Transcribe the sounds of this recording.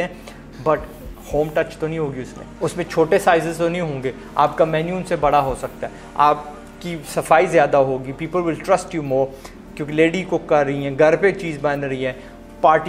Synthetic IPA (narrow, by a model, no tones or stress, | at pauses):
ɦɛ̃ | bɐʈ | hoːmʈɐt͡ʃt̪onɐɦĩɦoːɡiʊsmḛ̃ʊsmẽt͡ʃʰoːʈesaːɪzɪzt̪onɐɦĩɦõːŋɡeː | a̰ːpkamɛːnjuːəmsebɐɽaɦosɐk̚t̪aɦɛ | aːp̚ | kisɐfaːizjaːd̪aɦoːɡipiːpəlʋɪlʈɾɐsʈjuːmoːɾ | kjõːkileːɖikokɐɾɾɐɦiɦɛ̃ːɡʱɐɾpet͡ʃiːzbɐnɾɐɦiɦɛ̃ː | paːɾʈ